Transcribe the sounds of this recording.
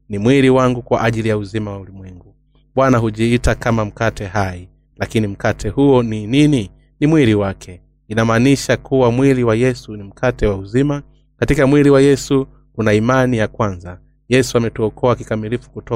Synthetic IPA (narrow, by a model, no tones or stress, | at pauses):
nimwiɾiwaŋɡukwaʔaʄilijauzimawaulimwɛŋɡu | ɓwanaɦuʄiitakamam̩katʰɛɦaji | lakinim̩katʰɛhuɔninini | nimwiɾiwakʰɛ | inamaːniʃakuwamwiliwajɛsunim̩kʰatɛwauzima | katikamwiliwajɛsu | kunaimanijakwanza | jɛsuamɛtuɔkɔakikamilifu̥kutɔ